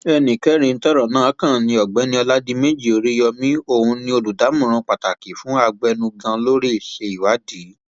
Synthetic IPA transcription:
ɛ˧nĩ˨kɛ˨˦ɾ̃ĩ˧n̩˦tɔ˦ɾɔ˨nãː˦kã˦˨nĩ˧˦ɔ˨ɡ͡bɛ˨˦nĩ˧ɔ˧la˦di˦me˦d͡ʒi˦˨o˨˧ɾi˦jɔ˧mĩ˦o˦˨hũ˧nĩ˧o˧lu˨da˨˦mũ˦˨ɾ̃ũ˧k͡pa˨ta˨ki˨fũ˨˦a˧ɡ͡bɛ˧nũ˧ɡã˧lo˦ɾe˦˨ʃe˧i˨wa˨˦di˨˦

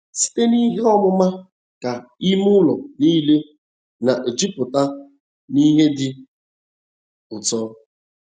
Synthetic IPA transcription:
si̥˦te˦ni˦ɦe˦ɔ˦mʊ˦ma˦ | ka˨i˦mʊ˦lɔ˨niː˦le˦ | na˨ʔe˨d͡ʒi˦pʊ˨ta˦ | ni˦ɦe˦dɪ˦ | ʊ˨tɔ˦

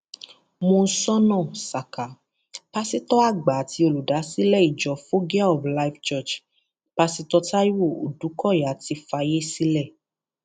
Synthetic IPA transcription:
mõ˧n̩˦sɔ˦nɔ̃˦˨sa˨ka˨˦ | pa˦si˦tɔ˦a˦˨ɡ͡ba˨ti˧o˧˨lu˨da˨˦si˦lɛ˦˨i˨d͡ʒɔ˨˦fo˦ɡi˦a˦ɔ˨fla˦i˦˨ft͡ʃɔ˦˨t͡ʃ | pa˧si˧tɔ˧ta˦i˦wo˦˨o̰˨du˨˦kɔ˦˨ja˨˦ti˧fa˧je˦si˦lɛ˦˨

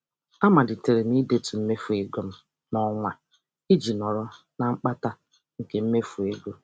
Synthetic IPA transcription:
a˦ma˨dɪ˨te˨ɾe˨ni˦de˦tu˨m̩˦me˦fu˨e˨ɡo˦m̩˦ | nɔ˦ŋʷa˦ | i˦d͡ʒi˨nɔ˨ɾɔ˦ | na˨ŋ͡m̩˦k͡pa˦ta˦ | ŋ̩˨ke˨m̩˦me˦fu˨e˦ɡo˦

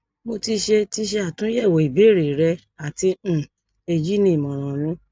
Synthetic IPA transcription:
mo˧ti˧ʃe˧ti˧ʃe˧a˦˨tũ˨˦jɛ˦˨wo˨i˨be˨˦˨ɾi˨ɾɛ˧ | a˨tĩ˧˦˨ | e˧d͡ʒi˦nĩ˦i˨mɔ̃˨ɾ̃ã˨nũ˨˦

